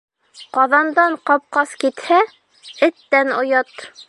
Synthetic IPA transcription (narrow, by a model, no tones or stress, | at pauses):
qɒðɑnd̪ɑɴqɑp̚qɑskit̪hæ | ɘ̆t̪ːænŏjɑt̪